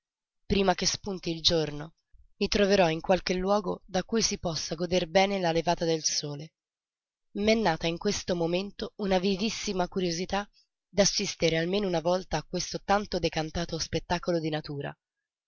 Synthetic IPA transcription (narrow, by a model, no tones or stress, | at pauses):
pɾiːmak̟espunt̪iːld͡ʒorno | mit̪ɾoveɾɔiŋkwalk̟elːwɔːɡod̪akujsipɔsːaɡod̪erbɛːnelalevaːt̪ad̪elsoːle | mɛnːaːt̪aiŋkwest̪omoment̪ounavivisːimakuɾjozit̪a | d̪asːist̪eɾealmeːnounavɔlt̪aːkwest̪ot̪ant̪od̪ekant̪aːt̪ospet̪ːakolod̪inat̪uːɾa̰